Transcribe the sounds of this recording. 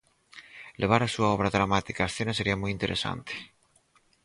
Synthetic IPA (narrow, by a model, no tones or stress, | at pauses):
lʔeβ̞aɾasuaɔβ̞ɾaðɾamat̪ikaːsθenaseɾiamujint̪eɾʔesa̰nt̪e̥